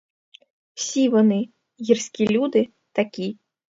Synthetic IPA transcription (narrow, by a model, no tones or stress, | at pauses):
w̥sʲiʋɔnɨ | jirsʲkʲilʲud̪ɨ | t̪akʲi